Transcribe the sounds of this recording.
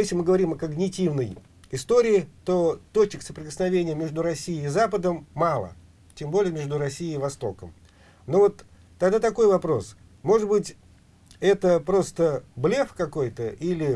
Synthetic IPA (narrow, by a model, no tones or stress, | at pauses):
jeslʲɪmɨɡəvɐɾʲimɐkəɡnʲɪtʲivnəj | ɪst̪o̞ɾʲɪːt̪o̞t̪ot͡ɕɪksəpɾʲɪkəsnɐvʲenʲɪjəmʲe̞ʐd̪ʊɾɐsʲːijɪːzapəd̪əmːɑlˠə̰ | tʲembo̞lʲɪjəmʲeʐd̪ʊɾɐsʲːijɪːvɐst̪o̞̰kəm | novo̞t̪ː | ɐɡd̪at̪ɐko̞jvɐpɾo̞̰s | mo̞ʐɨd̪̚bɨtʲ | ɛt̪əpɾo̞st̪əblʲefkɐko̞jt̪əʔilʲɪ